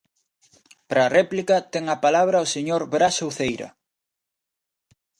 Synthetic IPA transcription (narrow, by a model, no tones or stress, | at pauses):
pɾɐːrɛplikɐt̪ɛŋɐpalaβ̞ɾɐoseɲoɾβɾasowθejɾɐ̰